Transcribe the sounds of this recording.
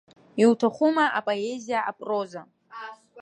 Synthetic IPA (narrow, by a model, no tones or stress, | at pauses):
iwtʰaχʷumaʔapʼoezijaapʼro̞za